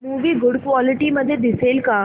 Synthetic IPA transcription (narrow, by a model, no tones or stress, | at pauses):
muːʋiːɡʊɽkʋɔːliʈiməd̪ʱːjed̪iseːlka